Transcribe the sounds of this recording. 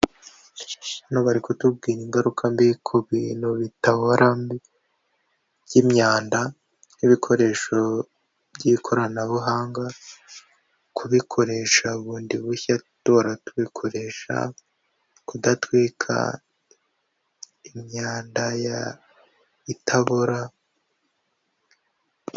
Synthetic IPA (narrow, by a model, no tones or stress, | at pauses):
anoβaɾiko̞tub̚ɡiːɾiŋɡaɾukʰambikʰuβiːnhuβitaβoɾambi | bɟimɲaːnda | niβikʰo̞ɾe̞ːʃo̞ | bɟikʰo̞ɾanaβuɦaːŋɡa | kʰuβikʰo̞ɾe̞ːʃauβuːndiβuçatoɾatuβikʰo̞ɾe̞ːʃa̰ | kudatwiːkʰa̰ | imɲaːndaja | itʰaβoɾa